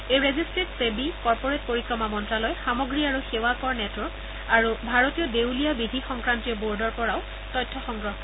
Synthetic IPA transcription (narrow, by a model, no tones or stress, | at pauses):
ejɹezistɹetsebikɔɹpoɹet̚poɹikɹɔmamɔntɹalɔjxamoɡɹiaɹuxewakɔɹnɛtɔɹ | aɹubʱaɹotijɔdewlijabidʱixɔŋkɹantiɔboɹdɔɹpɔɹaʊ | tɔjtʰːɔxɔŋɡɹɔɦ